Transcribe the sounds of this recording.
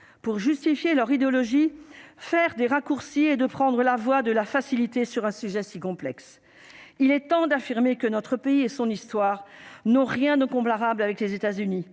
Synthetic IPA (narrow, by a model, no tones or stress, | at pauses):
puʁʒyst̪ifjelœʁid̪eɔlɔʒifɛʁd̪eʁakuʁsied̪əpχɑ̃d̪ʁəlavwad̪əlafasilit̪esyʁɛ̃syʒɛsikɔ̃plɛks | ilɛt̪ɑ̃d̪afiʁmekənɔt̪χəpeiesɔ̃nist̪waːʁnɔ̃ʁjɛ̃d̪ɛ̃kɔ̃paʁablavɛklezet̪azyni